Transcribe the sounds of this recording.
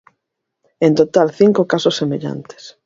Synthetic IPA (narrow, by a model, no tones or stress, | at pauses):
ẽnt̪ot̪alθiŋkokasosːemeʎa̰nt̪e̥s